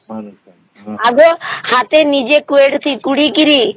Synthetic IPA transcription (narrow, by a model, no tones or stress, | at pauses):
aɡohãːt̪eːnid͡ʒekueːɽt̪ʰiːkuɽiːkiɾiː